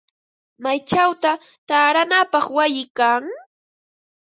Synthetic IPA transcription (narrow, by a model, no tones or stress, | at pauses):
majt͡ʃawt̪a | t̪aːɾanapɑχwajɪkaŋ